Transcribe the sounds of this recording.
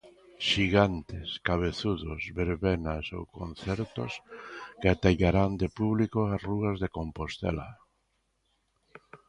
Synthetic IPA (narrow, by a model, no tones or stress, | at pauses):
ʃiɣant̪ɪskaβ̞eθuðosβeɾβenaso̰wkon̟θɛɾt̪o̰skat̪aʎaɾand̪epuβlikoasruɣazðekompost̪ḛla